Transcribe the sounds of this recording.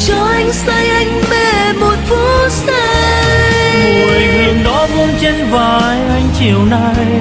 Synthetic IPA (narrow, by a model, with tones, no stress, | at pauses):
t͡ɕɔ˧˩ʔa˧jŋ̟sa˧jʔa˧jŋ̟me˧˩ | mo˨˩t̚fu˧˦˥sa˧ | jmu˨˩˨hɨ˨˩əŋɗɔ˨˦mu˧nt͡ɕe˧nvaː˨˩jjʔa˧jŋ̟t͡ɕi˨˩əwna˧j